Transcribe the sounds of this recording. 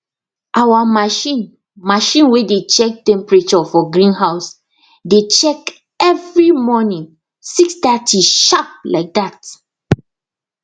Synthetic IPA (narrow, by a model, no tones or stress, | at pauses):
ʔawamaʃĩn | maʃĩnwedet͡ʃɛk̚tɛ̃mpɹet͡ʃɔfɔɡɹĩnɦaʊs | det͡ʃɛk | ɛvɹimɔnĩŋ | siksdatiʃap̚laɪk̚dat